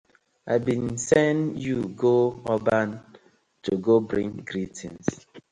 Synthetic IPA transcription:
abĩnsɛ̃njuɡoɔban | tuɡobɾĩŋɡɾitʰḭ̃ns

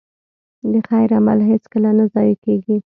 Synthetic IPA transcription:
d̪əxajɾama̰lɦet͡skəlanazɑjikeɡi

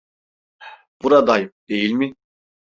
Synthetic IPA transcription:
b̥uɾad̪ajɯp̚d̪̥ejilʲmɪ

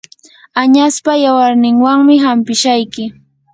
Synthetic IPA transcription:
aɲaspajawaɾnɪŋwaŋmɪɦampɪʃajkɪ

